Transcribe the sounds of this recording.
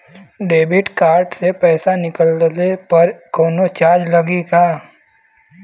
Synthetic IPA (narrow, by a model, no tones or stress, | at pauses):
ɖeːbɪʈkaːɾʈsepɛːsanɪkəllepɐɾkɔːnot͡ʃaːd͡ʒlɐɡiɡaː